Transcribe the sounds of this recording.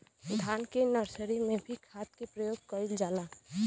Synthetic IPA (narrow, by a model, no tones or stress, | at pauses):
d̪ʱaːnkenəɾsəɾimẽbʱikʰat̪̚kepɾəjoːɡ̚kəɪld͡ʒaːla